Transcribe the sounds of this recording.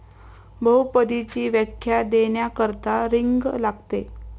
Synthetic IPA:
bəɦupəd̪it͡ɕiːʋjəkʰːjad̪eɳjakəɾt̪aɾiŋɡlaɡt̪e

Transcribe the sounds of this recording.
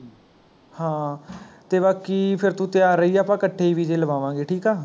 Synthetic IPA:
hãːt̪eːbaːkiːpʰɪɾt̪ũːt̪ɪjaːɾəiːɛːpãːkəʈʰːeːiːʋiːd͡ʒeːləʋaːʋãːɡeːʈʰiːkaː

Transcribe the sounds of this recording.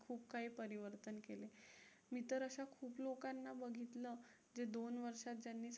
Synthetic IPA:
kʰuːb̚kaɦiːpəɾiʋəɾt̪ənkele | miːt̪əɾəɕakʰuːplokanːabəɡʱit̪lə | d͡zed̪onʋəɾʂat̪̚d͡ʑjanːiːs

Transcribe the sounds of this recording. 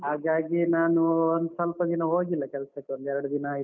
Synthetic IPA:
ɦaːɡaːɡinaːnuond̪sɐlpɐd̪inɐɦoːɡilːɐkɛlɐsɐkːeond̪ɛɾɐɽud̪inɐaːi

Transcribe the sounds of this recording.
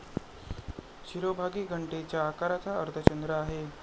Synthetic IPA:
ɕiɾobʱaɡiːɡʱəɳʈet͡ɕjaːkaɾat̪ʰaəɾt̪ʰət͡ɕənd̪ɾəaɦe

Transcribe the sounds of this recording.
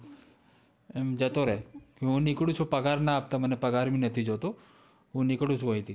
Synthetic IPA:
emd͡ʒət̪oɾɛːkeũnɪkɽut͡ʃʰopɐɡaːɾnaaːp̚t̪amənepɐɡaːɾminət̪ʰid͡ʒoːt̪o | ɦũnɪkɽũt͡ʃʰuoɦĩt̪ʰi

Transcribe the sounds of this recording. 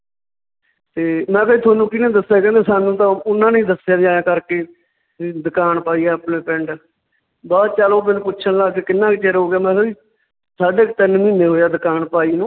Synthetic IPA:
t̪eːmɛ̃ːkoiːt̪ʰaːnũːkɪnẽːd̪əsːjaːkɛ̃ːnd̪eːsaːnũːt̪ãːʊnːãːnĩːd̪əsːɪjaːd͡ʒaːjãːkəɾkeː | d̪ɪkaːnpaːiːɛːpnẽːpɛɳɖ | baːd̪t͡ʃaːlõːp̬ɪnpʊːt͡ʃʰənlaːkeːkɪnːãːkit͡ʃeɾoːɡejaːmɛ̃ːkoiː | saːɖeːkt̪ənmĩːnːeːɦoːjaːd̪ɪkaːnpaːiːnũː

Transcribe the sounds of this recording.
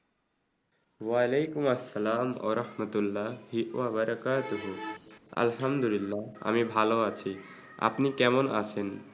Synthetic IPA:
walejkumɐsːɐlaːmwɐ̰ɾɐhmət̪ulːaɦiʔʋabɐɾəkaːt̪uɦuɐ̰lɦɐmd̪ulilːaa̰mibʱaloat͡ʃʰi | a̰pnikɛmɔna̰t͡ʃʰen

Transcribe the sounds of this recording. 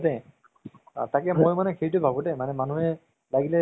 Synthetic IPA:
dɛ | takɛmojmanɛkʰeɹitʊbʱabʊdɛmanɛmanuɦɛ | laɡilɛ

